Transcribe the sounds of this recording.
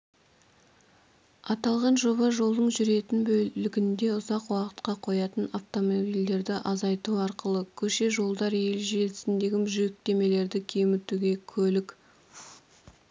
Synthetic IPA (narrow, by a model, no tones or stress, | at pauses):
ɑt̪ɑlˠʁɑnʒo̞βɑʒo̞lˠd̪əɴʒʏɾe̞t̪ɪnbɵlɪɡʲɪnd̪e̞ʊzɑqwɑqə̥t̪qɑqʰo̞jɑt̪ənaft̪o̞mobild̪e̞ɾd̪ɪʔɑzɑjt̪uɑɾqəlˠəkʲʰɵʃe̞ʒo̞lˠd̪ɑɾje̞lʒe̞lɪsɪnd̪e̞ɡʲɪmʒʏek̚t̪e̞me̞le̞ɾd̪ɪkʲʰe̞mɪt̪uɡʲe̞kʲʰɵlɪk